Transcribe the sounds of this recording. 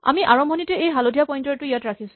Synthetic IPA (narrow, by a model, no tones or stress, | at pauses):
a̰miʔaɹɔmbʱɔnitɛejɦalodʱijapɔjntɔɹtʊijatɹakʰisʊ̥̃